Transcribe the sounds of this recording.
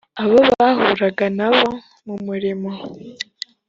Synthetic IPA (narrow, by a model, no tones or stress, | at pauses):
aβoβaɦuɾaɡanaβo̞ | mumuɾimo